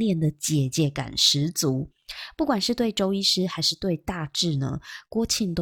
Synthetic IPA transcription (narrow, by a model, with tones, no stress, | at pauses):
ljɛ˥˩nd̪ə˩t͡ɕjɛ˨˩t͡ɕjɛ˧˥ka̰˨˩nʂɻ̩˧˦t͡su˧˥˦ | pu˥˩kwa˨˩nʂɻ̩˥˧t̪we˥˩ɪʈ͡ʂo˥ʊi˥ʂɻ̩˥xa˧˥ɪʂɻ̩˥˧t̪we˥˧ɪt̪a˥˧ʈ͡ʂɻ̩˥˩nə̰˩kwɔ˥t͡ɕʰi˥˩nt̪o˧